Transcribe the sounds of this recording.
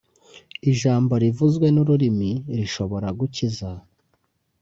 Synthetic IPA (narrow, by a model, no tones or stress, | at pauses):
iʒaːmbo̞ɾivuzɡwe̞nuɾuɾimiɾiʃo̞βo̞ɾaɡuciza